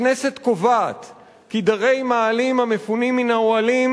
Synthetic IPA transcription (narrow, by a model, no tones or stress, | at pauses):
nese̞t̪ko̞vaːt̪ | kid̪aʁe̞jmaːlimhamefunimːinaoalim